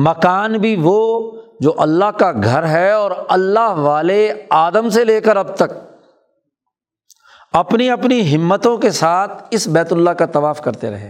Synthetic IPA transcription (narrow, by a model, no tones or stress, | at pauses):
mɐkaːnbʱiʋo | d͡ʒoːʔɐlːaɦkaɡʱɐɾɦɛɔːɾɐlːaɦʋaːleaːd̪əmseleːkəɾɐb̚t̪ɐk̚ | ɐpniɐpniɦɪmːət̪õkesaːt̪ʰɪsbɛːt̪ʊlːakat̪ɐʋaːfkɐɾt̪eɾɐ̰ɦeː